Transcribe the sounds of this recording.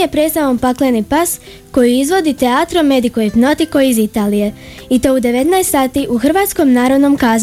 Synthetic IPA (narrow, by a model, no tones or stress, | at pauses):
epɾe̞t̪st̪aʋompaklenipas | ko̞jiizʋo̞d̪it̪e̞aːt̪ɾome̞d̪ikojipno̞t̪iko̞izit̪aːlije̞ | it̪o̞ud̪e̞ʋe̞t̪najest̪saːt̪iʔuxr̩ʋaːt̪sko̞mnaːɾo̞d̪no̞mkaːz